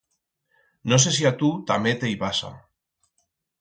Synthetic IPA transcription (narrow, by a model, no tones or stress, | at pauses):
nos̬es̬iat̪ut̪amet̪eiβasa̰